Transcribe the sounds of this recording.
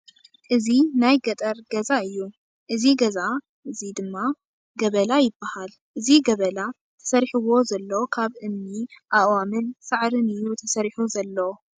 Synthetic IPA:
ʔɨzinajɡɐt̪ʼɐɾɡɐzaɨjːu | ʔɨziɡɐza | ʔɨzid̪ɨmːa | ɡɐβɐlajɪbːahal | ʔɨziɡɐβɐla | t̪ʰɐ̥sɐɾħɨwo̞zɐlːɐwkʰaβʔɨmniʔaʔwamɨnsaʕɾɨnɨjːut̪ʰɐsɐɾħuzɐlːɐwo

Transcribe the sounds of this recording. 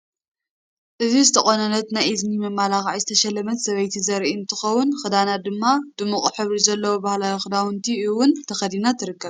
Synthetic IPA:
ʔɨzizɨt̪ʰɐχʼonɐnɐt̪najiznimɐmːalaxʕajzɨt̪ʰɐʃɐlːɐmɐt̪sɐβɐjt̪ʰizɐɾʔint̪ʰɨxɐwːʊnxɨd̪anad̪ɨmːad̪̥ɨmuχʼħɨβɾizɐlːɐwobahlajixɨd̪awʊnt̪ʰiɨwʊnt̪ʰɐxɐd̪inat̪ʰɨɾɨkːɐβ

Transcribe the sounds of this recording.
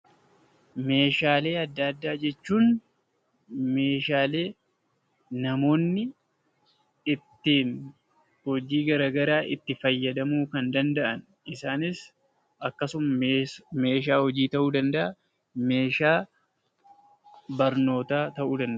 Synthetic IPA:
me̞ːʃaːle̞ːɐd̪ːɐd̪ːaːd͡ʒɛt͡ʃːuːn | me̞ːʃaːle̞ː | nɐmo̞ːnːɪ | ɪt̪ːiːn | hɔd͡ʒiːɡɐɾaːɡɐɾaːʔɪt̪ːɪfɐjːɐd̪ɐmuːkɐnd̪ɐnd̪ɐʔɐn | ɪsaːnɪs | ʔɐkːɐsʊmɐme̞ːʃ̬aːhɔd͡ʒiːt̪ɐʔuːd̪ɐnd̪ɐʔɐ | me̞ːʃaː | bɐɾno̞ːt̪aːt̪ɐʔuːd̪ɐnd̪

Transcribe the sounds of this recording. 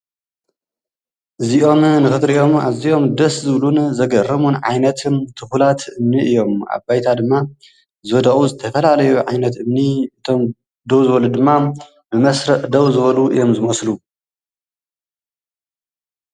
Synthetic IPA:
ʔɨziʔo̞mnɨxɨt̪ɾijo̞ma̰zio̞md̪ɐszɨβlunzɐɡɐrːɐmunʕa̰jnɐt̪ʰɨnt̪ʰɨxulat̪ʰʔɨmniʔɨjːo̞mʔa̰bajt̪ʰad̪ɨmːa | zɨwɐd̪ɐʔʼuzɨt̪ʰɐfɐlalɐjuʕa̰jnɐt̪ɨmniʔɨt̪ʰo̞m | d̪ɐwzɨβɐlud̪ɨmːa | bɨmɐsɾɐʔd̪ɐwzɨβɐluʔɨ̰jo̞mzɨmɐslu

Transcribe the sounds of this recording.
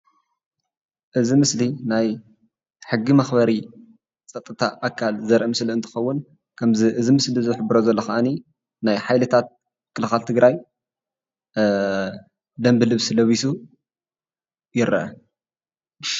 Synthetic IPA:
ʔɨzimɨslinaj | ħɨɡːimɐxbɐɾi | t͡sʼɐt̪ʼːɨt̪ʰa̰ʔakʰalzɐɾʔɐmɨsliɨnt̪ʰɨ̥xɐwːʊn | kʰɐmziʔɨzimɨslizɨħɨbɨɾozɐlːɐxɐʔani | najħajlɨt̪ʰat̪̚ | kʰːɨlɨxalt̪ʰɨɡɾaj | d̪ɐmbɨlɨβsilɐβisu | jɪɾʔɐ̰

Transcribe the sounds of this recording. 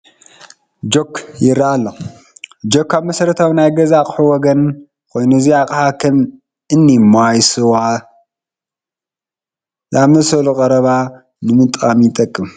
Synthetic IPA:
d͡ʒo̞kʰjɪɾːaalːo | d͡ʒokʰːaβmɐsɐɾɐt̪ʰawnajɡɐzakʼɨ̥ħɨwɔɡɐn | kʰo̞jnuziakʼħakʰɐm | ʔɨnːimajsɨwa | zaβmɐsɐlukʼɐɾɐβa | nɨmɨt̪ʼamit̪ʼɐkʼːɨm

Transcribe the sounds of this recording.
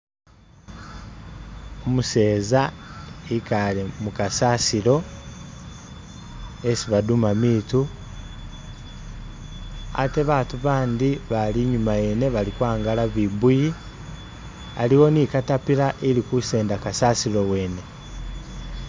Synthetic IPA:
omuse̞ːzaikalemukasaːsiɾo̞ | esiβadumamiːtu | a̰te̞βaːtuβaːndiβaliɲumajene̞βalikwaːŋɡalaβibuji | aliwo̞nikatapiɾaʔelikuse̞ːndakasaːsilo̞we̞ːne̞

